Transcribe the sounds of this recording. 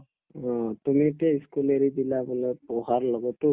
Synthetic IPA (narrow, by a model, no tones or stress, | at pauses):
ɔ̃tumietiaiskuleɹidilabulɔpɔɦaɹlɔɡɔtʊ